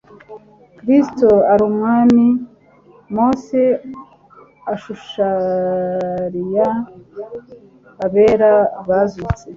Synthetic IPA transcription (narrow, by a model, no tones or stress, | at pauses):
kɾistoaɾumŋaːni | mose | aʃuʃa | ɾija | aβeːɾaβazut͡se